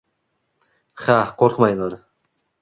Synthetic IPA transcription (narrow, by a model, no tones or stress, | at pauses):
χaqʰoɾqʰmajlˠaɾ